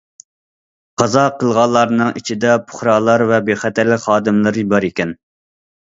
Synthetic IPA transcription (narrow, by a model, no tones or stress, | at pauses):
qʰɑzɑqʰəlˠʁɑlˠːɑɾnɨŋit͡ʃʰid̪ɛpʰʊ̥χɾɑːlˠɑɾvɛbeχɛt̪æɾlɪkʲχɑːd̪ɨmlˠɨɾjibɑɾikʲɛn